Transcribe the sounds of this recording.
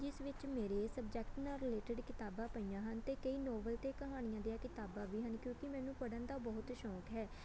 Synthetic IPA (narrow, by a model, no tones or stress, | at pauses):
d͡ʒɪsʋɪt͡ʃmeːɾeːsəbd͡ʒɛːkʈnaːɾɪleːʈəɖkɪt̪aːbãːpəijãːɦənt̪eːkəiːnɔːbəlt̪eːkəɦaːɽ̃ɪjãːd̪iaːkɪt̪aːbãːʋiːɦənkjõːkɪmɛ̃ːnũːpəɽənd̪aːbɔɦʊt̪ʃɔːkɦɛː